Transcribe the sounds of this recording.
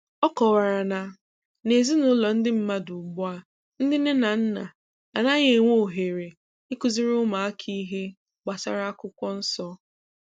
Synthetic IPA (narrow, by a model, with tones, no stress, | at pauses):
ɔ˦kɔ˨wa˨ɾa˨na˨ | ne˨zi˦nʊ˦lɔ˨n̩˦dɪ˦m̩˦ma˦dʊ˨ɡ͡bʊ˦a˨ | n̩˦dɪ˦ne˦na˨n̩˦na̰˨ | a˨na˦ɣe˨ŋʷo˦˨ɦe˨ɾe˨ | ɪ˦kʊ˨zi˦ɾʊ˦ma˨a˦kʰi˦ɦe˦ | ɡ͡ba˨sa̰˨ɾa˦a˦kʊ˦kʷɔ˦n̩˦sɔ˦